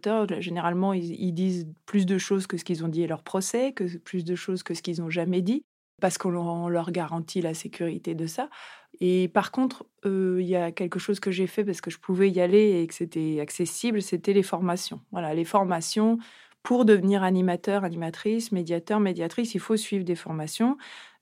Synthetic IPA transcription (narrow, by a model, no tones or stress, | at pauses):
t̪œʁʒeneʁalmɑ̃iḭld̪izplys̬d̪əʃozkəsə̥kʲilzɔ̃d̪ilœʁpχɔsɛkəplys̬d̪əʃozkəsə̥kʲilzɔ̃ʒamɛd̪i | paʁsə̥kɔ̃lɔ̃lœʁɡaʁɑ̃t̪ʰilasekʲʰyʁit̪ed̪əsaepaʁkɔ̃t̪χ | øiljakʲɛlkəʃozkəʒefɛp̬asə̥kəʒəpʰuvɛjaleːkə̥set̪ɛaksesiblset̪ɛlefɔʁmasjɔ̃vwalalefɔʁmasjɔ̃ | pʰuʁd̪əvəniʁanimat̪œʁanimat̪χismed̪jat̪œʁmed̪jat̪χisilfosɥivʁd̪efɔʁmasjɔ̃